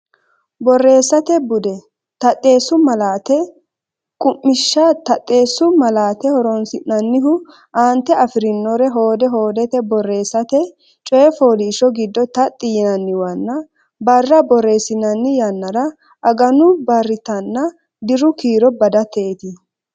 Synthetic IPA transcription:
bɔrːe̞ːsːɐt̪ɛbʊd̪ɛ | t̪ɐt̪ʼːe̞ːsʊmɐlaːt̪ɛ | kʼʊmːɪʃːat̪ɐt̪ʼːeːsːʊmɐlaːt̪ɛhɔɾɔnsɪʔɐnːɪɦʊ | ʔaːnt̪ɛɐfɪɾɪnːɔɾɛɦo̞ːd̪ɛɦo̞ːd̪ɛt̪ɛbɔrːe̞ːsːɐt̪ɛ | t͡ʃʼɔjɛfoːliːʃɔɡɪd̪ːɔt̪ɐt̪ʼːɪjɪnɐnːɪwɐnːɐ | bɐrːɐbɔrːe̞ːsɪnɐnːɪjɐnːɐɾɐ | ʔɐɡɐnʊbɐrːɪt̪ɐnːɐ | d̪ɪɾʊkiːɾɔbɐd̪ɐt̪eːt̪ɪ

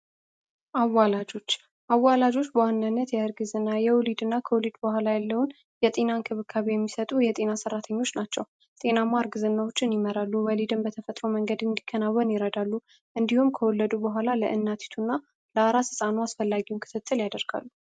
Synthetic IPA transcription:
ʔawːalad͡ʒo̞t͡ʃː | ʔawːalad͡ʒo̞t͡ʃːbəwanːanːət̪jɛɨɾɡɨzɨnːajɛwlid̪ɨnːakʰəwɔlid̪bəhʷalajalːəwʊn | jɛt̪ʼenankʰɨβɨkʰːaβejɛmːisət̪ʼujɛt̪ʼe̞nasərːat̪ʰəɲːo̞t͡ʃːnat͡ʃːɛw | t̪ʼe̞namaɾɡɨzɨnːawot͡ʃːɪnjɪməɾalːuwəlid̪ɨmbət̪ʰəfət̪ʼɾo̞məŋɡəd̪ɨnd̪ikʰːənawːənjɪɾəd̪alːu | ʔɨnd̪ihumkʰəwɔlːəd̪ubəɦʷalaləʔɨnːat̪ʰi̥t̪ʰunːa | ləaɾasɨsʼanoasfəlːaɡiwunkʰɨ̥t̪ʰɨt̪ʰːɨljad̪əɾɡ̥a̰lːu

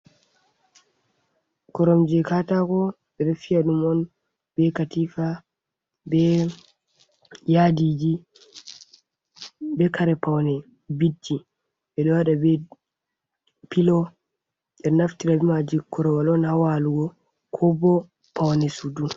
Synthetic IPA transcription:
kɔɾɔmd͡ʒɛkatakɔ | ɓɛɗɔfiaɗumɔn | bɛkatifa | bɛ | jadid͡ʒi | bɛkaɾɛpawnɛ | bidːi | ɓɛɗɔwaɗabɛ | pilɔ | ɗɛnaftiɾabimad͡ʒikɔɾɔwalɔnhawaluɡɔ | kʰɔbɔ | pawnɛsudu

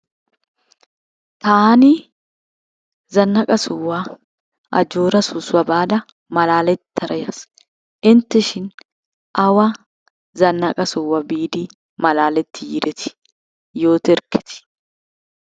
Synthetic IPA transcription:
t̪ani | zɐnːɐkʼɐsʊwːa | ʔɐ̰d͡ʒoːɾɐsʊswɐbaːd̪ɐ | mɐlaːlɛt̪ːɐɾɐjɐs | ɪnt̪ɪʃɪn | ʔɐwɐ | zɐnːɐkʼɐsʊwɐbiːd̪iː | mɐlaːlɛt̪ːɪjɪɾɪt̪ɪ̥ | joːt̪ɪɾkɪ̥t̪ɪ̥

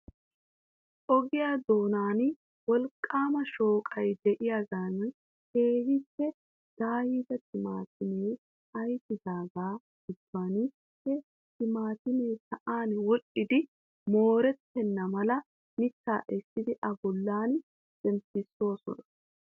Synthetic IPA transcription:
ʔɔɡɪjaːd̪o̞ːnaːn | wɔlkʼːaːmɐʃo̞ːkʼɐjd̪ɛʔɪjaɡaːn | heːɡɪpːɛ | d̪̥aːjiːd̪ɐt̪ɪma̰ːt̪ɪmeː | ɐjt̪ːɪd̪aːɡḁː | ɪbːaːnɪ | pːɛ | t̪ɪmaːt̪ɪmeːsɐʔaːnwɔt͡ʃːɪd̪ɪ | mo̞ːɾɛt̪ːɛnːɐmɐlɐ | mɪtːa̰ːʔɛsːɪd̪ɪʔɐbɔlːaːn | sʼɛmsɪsːo̞ːsɔ̰nɐ̥

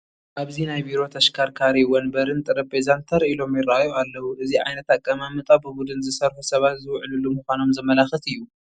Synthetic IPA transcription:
ʔaβzinajbiɾo̞t̪ʰɐʃkʰaɾkʰaɾiwɐnbɐɾɨnt̪ʼɨɾɐpʰezant̪ʰɐɾilo̞mjɪraajoalːɐwuʔɨziʕa̰jnɐt̪akʼːɐmamɨt̪ʼabɨbud̪ɨnzɨsɐɾħusɐβat̪zɨwʕɨlulːumɨkʷano̞mzɐmɐlaxɨt̪ɨjːu

